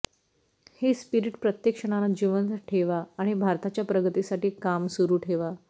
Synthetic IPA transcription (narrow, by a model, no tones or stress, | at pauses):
hespiɾiʈpɾət̪jekʂəɽ̃alad͡ʑiʋənt̪ʈʰeʋaːɽ̃ibʱaɾt̪at͡ɕjapɾəɡət̪isaʈiːkamsuɾuːʈʰeʋa